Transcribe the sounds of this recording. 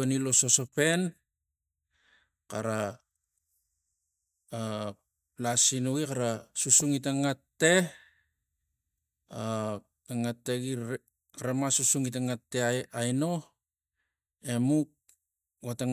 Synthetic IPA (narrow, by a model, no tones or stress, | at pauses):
enilo̞so̞sope̞n | kaɾa | lasinuikaɾasusuŋit̬aŋatːe̞ | a | taŋatːeɡi | kaɾamasusuŋit̬aŋatːe̞aajno̞ | e̞muk̚ | wataŋ